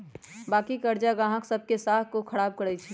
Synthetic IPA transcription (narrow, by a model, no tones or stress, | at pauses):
baːkikəɾd͡ʒaɡãɦəksəb̚kesaɦkokʰəɽaːb̚kəɾɛt͡ʃʰɛ